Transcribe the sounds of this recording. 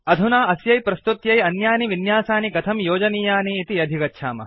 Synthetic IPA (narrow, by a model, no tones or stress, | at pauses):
ɐd̪ʱunaːɐsjɐjpɾɐst̪ut̪jɐjɐnjaːniʋinjaːsaːniɡɐt̪ʰɐmjoːd͡ʒɐniːjaːniːt̪iɐd̪ʱikɐtːʃʰaːmɐ̰